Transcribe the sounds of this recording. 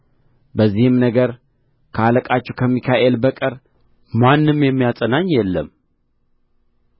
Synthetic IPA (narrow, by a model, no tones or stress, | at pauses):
bəzːihɨmnəɡəɾ | kʰəaləkʼat͡ʃːɛkʰəmːikʰaʔelbəkʼəɾ | manːɨmjɛmːijasʼənaɲːjɛlːə̰m